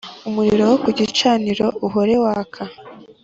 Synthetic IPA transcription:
umuɾiɾo̞wokuɟit͡ʃaːniɾo̞uɦoɾe̞waːkʰa

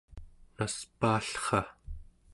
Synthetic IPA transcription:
naspaːɬχɑ

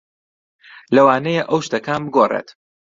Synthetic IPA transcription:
lɐwaːnɛjeʔɐwʃt̪ɐkʰaːnbɨɡoːrḛːt̪

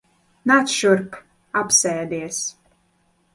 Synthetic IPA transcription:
nat̪ʃuɾk | apsɛːd̪iɛs

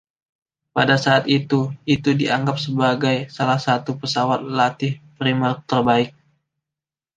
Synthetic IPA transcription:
padasaːt̪it̪uit̪udiaŋɡap̚səbaɡajsalahsat̪upəsawat̪̚lat̪ɪhpɾimərt̪ərbaɪk̚

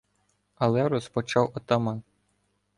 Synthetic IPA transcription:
ɐlˠɛɾɔspɔt͡ʃɑwɔt̪ɐmɛ

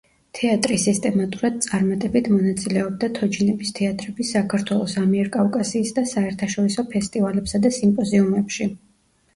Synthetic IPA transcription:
t̪ʰɛat̪ʼɾisist̪ʼɛmat̪ʼuɾad̪̥̚t̪sʼaɾmat̪ʼɛbit̪ʰmɔnat̪sʼilɛɔb̚d̪at̪ʰɔd͡ʒinɛbist̪ʰɛat̪ʼɾɛbisakʰaɾt̪ʰwɛlˠɔsamiɛɾkʼavkʼasiːsd̪asaɛɾt̪ʰaʃɔɾisɔpʰɛst̪ʼivalɛpsad̪asimpʼɔziumɛpʃi

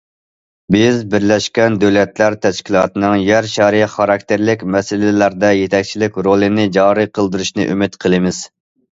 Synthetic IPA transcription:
bɪzbɪɾlɛʃkʲɛnd̪øwlɛt̪læɾt̪ʰɛʃkʲilˠɑːt̪ɨnɨŋjæɾʃɛɾχɑɾɑk̚ʲt̪ʰeɾlɪkʲmɛsɪlɪlæɾd̪ɛjet̪ʰɛkʲt͡ʃʰilɪkʲɾolˠɨnɪd͡ʒɑːɾiqʰəlˠd̪ɨɾuʃnɨ̰ʔymɪt̪qʰəlˠɨmɪz̥

